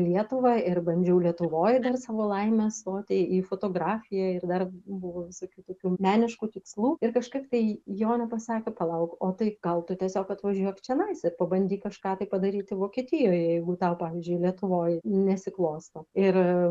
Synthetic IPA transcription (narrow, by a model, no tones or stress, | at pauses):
lʲiɛt̪ʊʋɐɪrbɐnʲd͡ʒʲɛʊlʲiɛt̪ʊʋoːjd̪ɐrsɑːʋoːlˠɐɪmʲɛst̪oːt̪ʲɪiːfoːt̪oːɡɾɑːfʲɪjɛɪrd̪ɐrbʊʋoːʋʲɪsoːkʲuːt̪oːkʲuːmʲæːnʲɪʃkuːt̪ʲɪkslˠuːɪrkɐʃkɐɪpt̪ɐɪjoːnʲɛpɐsɑːkʲepɐlˠɐʊkoːt̪ɐɪɡ̥ɐlˠt̪ʊt̪ʲiɛsʲoːkɐt̪ʋɐʒʲuɔkt͡ʃʲɛnɐɪsʲɛpɐbɐnʲd̪ʲiːkɐʃkɑːt̪ɐɪpɐd̪ɐɾʲiːt̪ʲɪʋoːkʲiɛt̪ʲɪjoːjɛjɛɪɡʊt̪ɑʊpɑːʋʲɪzʲd͡ʒʲʊɪlʲiɛt̪ʊʋoːjnʲɛsʲɪklˠoːst̪ɐɪr